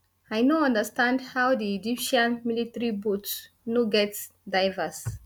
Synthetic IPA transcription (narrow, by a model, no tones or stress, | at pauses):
ajnoʌ̃ndəstãndhawdiid͡ʒipʃãnmilitəɾibot | noɡɛts | dajvəs